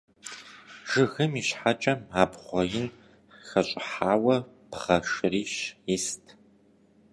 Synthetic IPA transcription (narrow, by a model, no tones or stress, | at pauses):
ʐ̥ɨɣɨmiːɕħat͡ʃʼɐmaːpχʷɔjɪn | xɐɕʼɪħaːwɐ | pχɐʂriːʃɪstʰ